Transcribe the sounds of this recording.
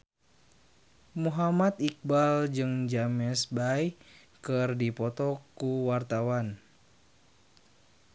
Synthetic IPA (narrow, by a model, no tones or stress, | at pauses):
muɦamat̪ik̚bald͡ʒɨŋd͡ʒamɛsbaj | kɨrdipɔt̪ɔkuwart̪awan